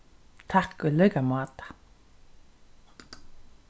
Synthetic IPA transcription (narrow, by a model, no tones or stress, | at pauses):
t̪ʰakʏlœkamɑːt̪ḁ